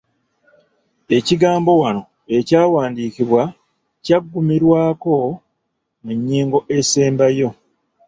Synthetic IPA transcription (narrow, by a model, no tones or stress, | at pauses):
e̞ciɡaːmbo̞wano̞ | e̞caːwaːndiːciβwa | caɡːumiɾwaːko̞ | muɲːiːŋɡo̞ʔe̞seːmbajo̞